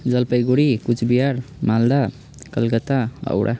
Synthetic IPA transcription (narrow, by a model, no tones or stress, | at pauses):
d͡ʒəlpəjɡoɽikut͡ʃʰbijaɾmald̪a | kəlkət̪aə̰wɽʔa̰